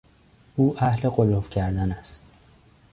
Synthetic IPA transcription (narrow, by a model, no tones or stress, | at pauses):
ʔuːʔæhle̞ɢolofcʰæɾd̪ænæst̪̚